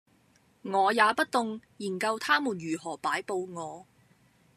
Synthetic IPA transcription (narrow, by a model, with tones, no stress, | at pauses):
ŋɔː˨˧jaː˨˧pɐ˥t̚t̪ʊ˨ŋjiː˨˩nkɐ˧wt̪ʰaː˥muː˨˩njyː˨˩ɦɔː˨˩paː˨˥jpo˧wŋɔː˨˧